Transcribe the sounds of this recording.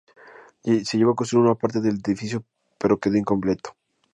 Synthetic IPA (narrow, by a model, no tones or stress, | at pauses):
eseʝeβokoseɾunapaɾt̪eðe̞leðifisjo | pe̞ɾo̞ke̞ðoiŋko̞mple̞t̪o̥